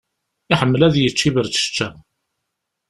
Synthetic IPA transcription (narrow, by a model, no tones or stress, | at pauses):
ɪħəmːəlæðjət͡ʃːivəɾt͡sə̥t͡ʃːæ